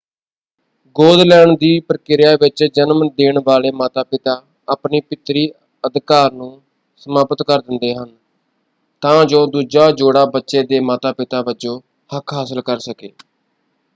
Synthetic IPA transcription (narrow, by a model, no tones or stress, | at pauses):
ɡoːd̪lɛːɳd̪iːpəɾkɪɾɪjaːʋɪt͡ʃd͡ʒənmd̪eːɳʋaːleːmaːt̪aːpɪt̪aː | aːpniːpɪt̪ɾiː | əd̪kaːɾnũː | səmaːpət̪kəɾd̪ɪnd̪eːɦən | t̪ãːd͡ʒoːd̪uːd͡ʒaːd͡ʒoːɽaːbətːʃeːd̪eːmaːt̪aːpɪt̪aːbət͡ʃoː | həkʰɦaːsəlkəɾsəkḛː